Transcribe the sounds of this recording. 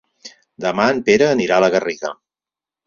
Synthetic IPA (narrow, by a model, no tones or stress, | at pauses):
d̪əmaənpeɾəːniɾaələɣəriɣə